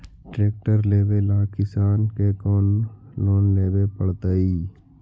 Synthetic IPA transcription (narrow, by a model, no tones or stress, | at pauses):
ʈɾeːk̚ʈəɾleːbelaːkɪsaːnkekɔːnloːnleːbepəɽt̪əiː